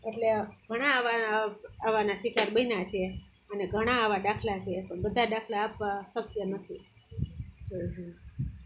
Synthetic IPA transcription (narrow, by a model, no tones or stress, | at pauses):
eʈleɡʱəɽ̃aʋaaʋanasʋikaɾbəinat͡ʃʰe | əneɡʱəɽ̃aːʋaɖakʰlat͡ʃʰepəɳbəd̪ʱːaɖakʰlaːpʋasəkjənət̪ʰi | t̪oɦə̃